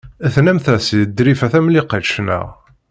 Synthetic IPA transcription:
æθnæmθæsid̪ɾifæθæmliqəʃnæ̰

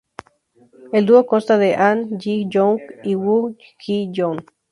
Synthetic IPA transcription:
eld̪uokonst̪aðeʔanjijoŋkiwu | kijon

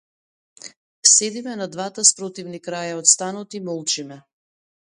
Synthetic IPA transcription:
sɛd̪imɛnad̪vat̪aspɾɔt̪ivnikɾajaɔt̪st̪anɔt̪imɔlˠt͡ʃimɛ

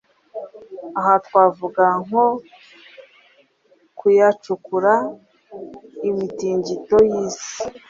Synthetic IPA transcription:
aɦatwaːvuɡaŋ̥ho | kujat͡ʃukuɾa | imitiːɲɟitojiːsi̥

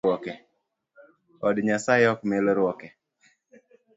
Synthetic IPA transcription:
ɔkɛ | ɔdɲasaɪɔkmɛlɔɾwɔkɛ

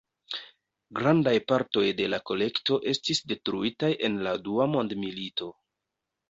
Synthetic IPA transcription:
ɡɾandajpaɾto̞jde̞lako̞le̞kto̞ʔe̞stisde̞tɾuitajʔe̞nladuamo̞ndmilito̞

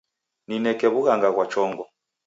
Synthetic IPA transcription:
ninɛkɛβuɣaŋɡaɣwat͡ʃɔŋɡɔ

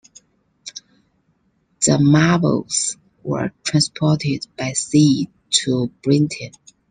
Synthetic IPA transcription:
ðəmabə̰lz̥ | wə̰˞tʰɹ̥ãnspʰɔˑtɪd̚b̥aɪsi | tʰub̥ɹɪ̃ntʰə̃n

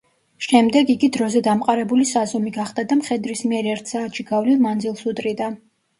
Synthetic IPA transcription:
ʃɛmd̪ɛɡiɡid̪ɾɔzɛd̪amqʼaɾɛbulisazɔmiɡaχd̪̥ad̪amχɛd̪ɾismiɛɾɛɾt̪ʰsaːt̪ʃiɡavlilˠmand̪zilˠsut̪ʼɾid̪a

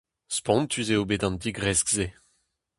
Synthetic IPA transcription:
spɔ̃nt̪yzeobedɑ̃ndiɡʁɛsɡze

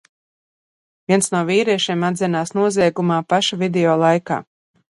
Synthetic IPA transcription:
vʲiɛnsnuɔviːɾiɛʃiɛmad̪zʲɛnaːsnuɔziɛɡumaːpaʃavid̪ɛɔːlˠajka̰ː

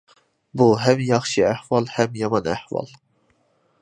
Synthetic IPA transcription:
buɦɛmjɑχʃiæhvɑlˠhɛmjɑmɑnæ̰ħvɑ̰lˠ

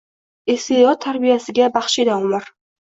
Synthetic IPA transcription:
esiɒt̪ʰːaɾbijasɪɡʲabaχʃɪd̪aɒmɪɾ

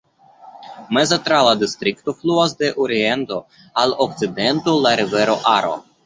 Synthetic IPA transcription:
mezat̪ɾalad̪ist̪ɾikt̪o̞fluas̬d̪e̞ʔoɾient̪o̞ | alok̚tt͡sid̪e̞nt̪olaɾive̞ɾo̞ʔaɾo̰

